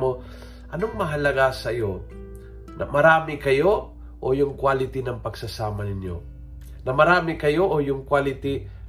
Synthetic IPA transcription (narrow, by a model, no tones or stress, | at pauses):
mo | ʔɐnoŋmɐɦɐlɐɡasɐjo | nɐ̰mɐɾaːmɪkɐjo | ʔojʊŋkwalɪt̪inɐŋpɐɡsɐsaːmɐnɪnjo̰ | nɐmɐɾaːmɪkɐjoʔojʊŋkwalɪt̪i